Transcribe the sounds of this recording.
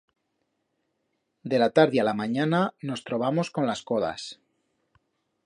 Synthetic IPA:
d̪e̞lat̪aɾðialamaɲanano̞st̪ɾo̞β̞amo̞sko̞nlasko̞ða̰s

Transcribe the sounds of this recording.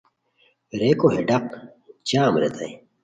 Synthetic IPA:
ɾeːkoɦeɖɐqt͡ɕaːmɾḛt̪ɐ̰e

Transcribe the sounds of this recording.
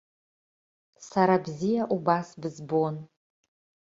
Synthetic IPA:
saɾabzijaʔubasbɨzbon

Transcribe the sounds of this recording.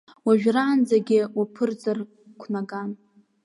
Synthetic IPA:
waʒᶣraːnd͡zaɡʲɪwapʰɨrd͡zar | kʷʰnaɡan

